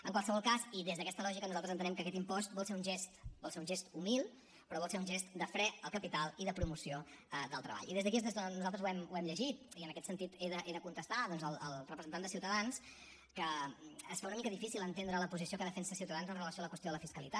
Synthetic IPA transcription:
əŋkwalˠsəβɔlˠkasiðezðəkɛst̪əlɔʒikənuzalˠt̪əznt̪ənɛmkəkɛt̪impɔst̪̚bɔlˠseɾunʲʒest̪bɔlˠseɾunʒest̪umilˠ | pɾɔβɔlˠseɾunʒɛst̪d̪əfɾɛt̪əlˠkəpit̪alˠiðəpɾumusioəd̪əlˠt̪ɾəβa̰ʎiðezðəkiezezðənuzalˠt̪ɾəzuɛmuɛmʎəʒit̪iənəkɛt̪sənt̪it̪eðəʔeðəkunt̪əst̪aðɔnzəlˠəlˠrəpɾəzənt̪and̪siwt̪əðans | kəːsfaunəmikəðifisilˠənt̪end̪ɾələpuzisiokəðəfɛnsəsiwt̪əðanzənrələsioaləkwəst̪oaləfiskəlḭt̪at̪

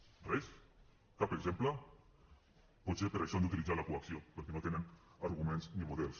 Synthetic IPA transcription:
rɛs | kapeɡzempla | pɔt̪sepeɾaʃɔand̪ut̪ilid͡zalakuaksiopəɾkenot̪enenaɾɣumenznimuðɛlˠs

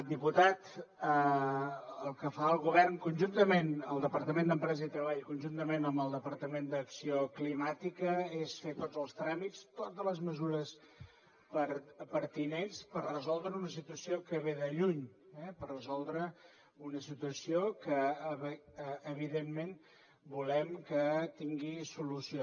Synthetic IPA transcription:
d̪iput̪at̪ə | əlˠkəfaəlˠɣuβɛrŋkunʲʒunt̪əmenəlˠd̪əpəɾt̪əmẽnd̪əmpɾɛzəit̪ɾəβ̞aʎkunʲʒunt̪əmenəmbəlˠd̪əpəɾt̪əmend̪əksioklimat̪ikəesfet̪od͡zəlˠst̪ɾamist̪ot̪ələzməzuɾəs | pəɾpəɾt̪inenspərrəzɔlˠd̪ɾəunəs̬it̪uəsiokəβeðəʎuɲɛpərrəzɔlˠd̪ɾə | unəsit̪uəsiokəβː | β̞iðenmen | bulɛmkət̪iŋɡisulusio

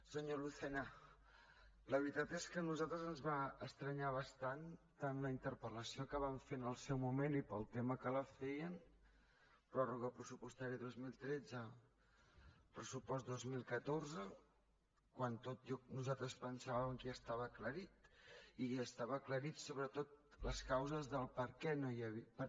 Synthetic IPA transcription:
səɲoluθɛnə | ləβɾit̪at̪eskənuzalˠt̪ɾəzənzβaəst̪ɾəɲaβ̞əst̪ant̪anləint̪əɾpələsiokaβaɱfenəlˠsɛwmumenipəlˠt̪eməkələfɛjən | pɾɔruɣəpɾəsupust̪aɾiəðozmilˠt̪ɾɛd͡zə | pɾəsupɔs̬̚d̪ozmilˠkət̪orzə | kwant̪ot̪ʒɔnuzalˠt̪ɾəspənsaβəmkiəst̪aβəːkləɾit̪iəst̪aβəːkləɾit̪soβɾət̪ot̪̚ləskawzəzðəlˠpəɾkɛnojəβipə

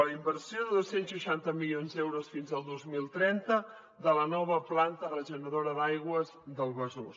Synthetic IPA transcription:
ləimbəɾsioðəðosenzʃuʃant̪əmilionzðɛwɾosfinzəlˠd̪ozmilˠt̪ɾɛnt̪ə | ðələnɔβ̞əplant̪ərəʒunəðoɾəðajɣwəzðəlˠβəzus

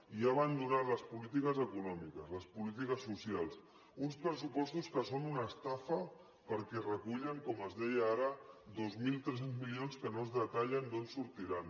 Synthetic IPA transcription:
iaβand̪uɾaləspulit̪̬ikəzəkunɔmikəzləspulit̪̬ikəsːusialˠs | unspɾəsupɔst̪uskəsonunəːst̪afə | pəɾkɛrəkuʎəŋkɔməzðɛjəaɾəd̪ozmilˠt̪ɾɛs̬enzmilionskənozðət̪aʎənd̪onsuɾt̪iɾan

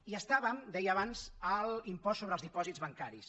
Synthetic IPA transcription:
iəst̪aβəmd̪ɛjəːβanzəlimpɔsːoβɾəːlzðipɔzidzβəŋkaɾis

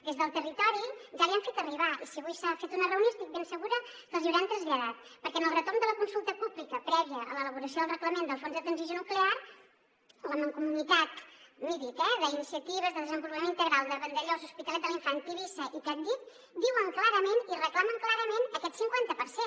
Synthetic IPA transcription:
d̪ezðəlˠt̪ərit̪ɔɾiʒaβiəɱfet̪əriβaʔisiβujsafet̪unərəwnioəst̪ik̚bensəɣuɾəkəlˠziuwɾɛnt̪ɾənzʎəðat̪̚pəɾkɛənəlˠrət̪ormnd̪ələkunsulˠt̪əpublikəpɾɛβiəʔələləβuɾəsioðəlˠrəkləmend̪əlˠfonzðət̪ɾənzizjonuklear | ləməŋkumunit̪at̪miðik̪ɛðəinisiət̪iβ̞əzðəðəzəmbulˠpəmenint̪əɣɾalˠd̪əβənd̪əʎozuspit̪əlɛt̪d̪əliɱfant̪iβisəʔit̪ad̪it̪̚ | d̪iwəŋklaɾəmenirəklaməŋklaɾəmenəkɛt̪siŋkwant̪əpəɾsen

